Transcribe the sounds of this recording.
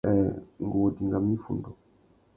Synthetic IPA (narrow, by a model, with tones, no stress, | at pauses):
ɛ˨ŋ˨ɡu˨wɔ˨di˨ŋɡa˨mi˦fṵ˨ndɔ˨